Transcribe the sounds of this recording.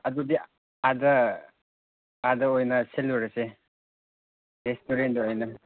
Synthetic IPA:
ɐdudi | adɐ | adɐojnɐselːoɾɐse | ɾestoɾendojnɐ

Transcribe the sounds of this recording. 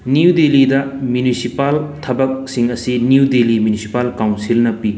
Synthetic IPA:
nidelidɐmjunisipaltʰɐbɐk̚siŋɐsiniudelimjunisi̥palkawnsilnɐpi

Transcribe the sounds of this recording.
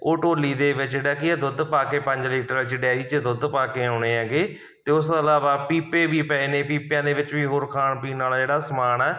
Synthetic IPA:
oːʈoːliːd̪eːʋɪt͡ʃd͡ʒeːɽaːkɪad̪ʊd̪paːkeːpəɲd͡ʒliːʈəɾɪt͡ʃɖɛːiːt͡ʃd̪ʊd̪paːkeːoːɳeːãːɡeː | t̪eːʊsəlaːʋaːpiːpeːʋiːpɛːeːnẽːpiːpjãːd̪eːʋɪt͡ʃʋiːɦoːɾkʰaːɳpiːnaːlaːd͡ʒeːɽaːsəmaːnɛː

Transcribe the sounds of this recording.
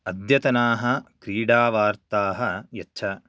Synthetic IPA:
ɐd̪jɐt̪ɐnaːɦɐ̆kɾiːɽaːʋaːɾt̪aːɦɐjɐtːʃʰɐ

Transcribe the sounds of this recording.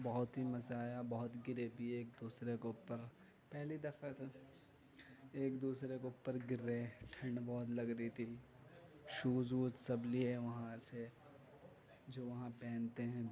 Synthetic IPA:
bɐɦʊt̪ɦimɐzaːjabɔɦʊt̪ɡɪɾebʱieːk̚d̪uːsɾekeʊpːəɾ | pɛɦlid̪ɐfət̪ | eːkd̪uːsɾekeʊpːəɾɡɪɾːeʈʰɐ̃ɳɖbɔːt̪lɐɡɾəit̪ʰi | ʃuːzuːt̪sɐblieʋɐɦãse | d͡ʒoːʋɐɦãpɛ̃ːnt̪eɦɛ̃

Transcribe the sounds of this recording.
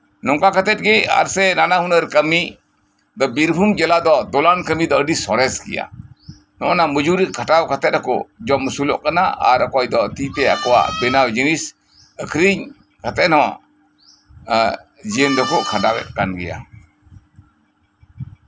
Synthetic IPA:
nɔŋkakat̪ɛt̪̚ˀɡɛa̰ɾsɛnanahunəɾkəmi | d̪ɔbiɾbʱumd͡ʒɛlad̪ɔd̪ɔlankəmid̪ɔəɖisɔɾɛskɛ̰ja̰ | nɔʔɔnaməd͡ʒuɾikʰaʈawkat̪ɛt̪̚ɾakɔ̰d͡ʒɔməsulɔ̰ʔkanaʔa̰ɾəkɔjd̪ɔt̪it̪ɛa̰kɔwa̰ʔbɛnawd͡ʒinis | əkʰɾiɲ | kat̪ɛʔnɔwa̰ʔ | d͡ʒiənd̪ɔkɔʔkʰaɖawɛ̰t̪̚kanɡɛja̰

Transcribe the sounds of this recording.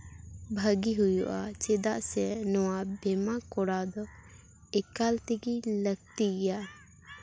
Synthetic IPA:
bʱəɡiɦujṵʔat͡ʃed̪aʔsɛnɔwabɛmakɔɽad̪ɔ | ɛkalt̪iɡiləɡ̚t̪ijaʔ

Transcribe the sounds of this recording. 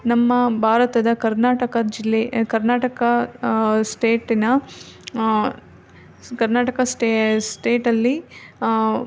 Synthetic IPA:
nɐmːɐbʱaːɾɐt̪ɐd̪ɐkɐɾnaːʈɐkɐd͡ʒilːekɐɾnaːʈɐkɐ | sʈeːʈinɐ | kɐɾnaːʈɐkɐsʈesʈeːʈɐlːi

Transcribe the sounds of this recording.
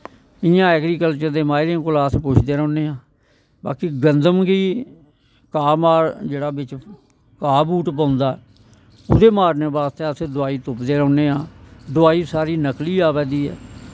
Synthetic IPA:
ɪjãːɛːkɾiːkəlt͡ʃəɾd̪eːmaːɪɾẽkʊlaːspʊt͡ʃʰd̪eːɾə̃ːneːãː | ba̰ːkiːɡənd̪əmkiː | kaːmaːɾd͡ʒeːɽaːbɪt͡ʃ | kaːbuːʈpãːnd̪aːɛː | ʊd̪eːmaːɾneːbaːst̪eːəseːd̪ʊaːiːt̪ʊpd̪eːɾə̃ːneːãːd̪ʊaːiːsaːɾiːnəkliːaːpɛːd̪iːɛ̰ː

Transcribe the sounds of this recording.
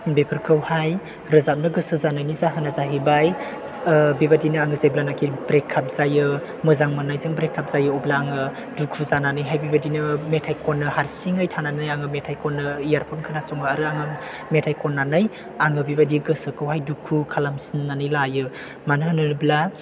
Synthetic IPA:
bepʰɯɾkɯwhaj | ɾɯzap̚nɯɡɯsɯzanɯjnizaɦɯnazaɦibaj | bibadinɯaŋɯzajblanakʰibɾekʰːap̚zajɯ | mɯzaŋmanajzɯŋbɾekʰːap̚zajɯɔblaːŋɯ | dukʰuzananɯjɦajbibadinɯmetʰajkʰɔnːɯhaɾsiŋɯjtʰananɯjaŋɯmetʰajkɔnːɯijaɾpʰɔnkʰɯnasɔŋɯaɾɯaŋɯ | metʰajkʰɔnːanɯj | aŋɯbibadiɡɯsɯkɯwɦajdukʰukʰalamsinnanɯjlajɯ | manɯɦɯnɯnɯbla

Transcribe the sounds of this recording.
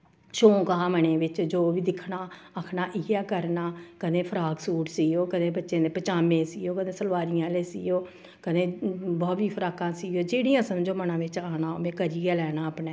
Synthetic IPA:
ʃoːkəɦãːməɳẽːʋɪt͡ʃd͡ʒoːʋiːd̪ɪkʰnaːakʰnaːʔiːaːkəɾnaːkəd̪ẽːpʰəɾaːɡsuːʈsiːoːkəd̪ẽːbətːʃẽːd̪eːpət͡ʃaːmẽːsiːoːkəd̪ẽːsəlʋaːɾɪjãːleːsḭːoː | kəd̪ẽːbɔːʋiːpʰəɾaːkãːsiːoːd͡ʒeːɽĩjãːsəmd͡ʒoːmənãːʋɪt͡ʃaːnaːo̰mẽːkəɾiːɡaːlɛːnaːəpnɛː

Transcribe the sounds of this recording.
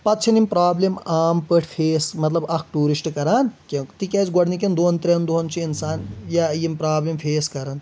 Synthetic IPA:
pɐt̪̚t͡ʃʰɐnimʲpɾaːblemaːmpəʈʰpʰeːsmɐt̪lɐbɐkʰʈuːɾisʈkɐɾaːnkʲet̪ikʲeːt͡sɡɔɽnik̬ʲend̪oːnt̪ɾʲend̪oɦɐnt͡ʃʰiinsaːnjajimpɾaːblempʰeːskɐɾɐn

